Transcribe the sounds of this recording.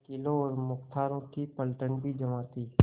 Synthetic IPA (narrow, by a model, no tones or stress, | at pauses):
kɪlõɔːɾmʊkt̪ʰaːɾõkipəlʈənbʱid͡ʒəmaːt̪iː